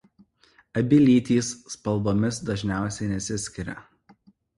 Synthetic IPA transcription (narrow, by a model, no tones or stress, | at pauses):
ɐbʲɪlʲiːt̪ʲiːsːpɐlˠboːmʲɪsd̪ɐʒʲnʲæˑʊsʲɛɪnʲɛsʲɪsʲkʲɪɾʲɛ̰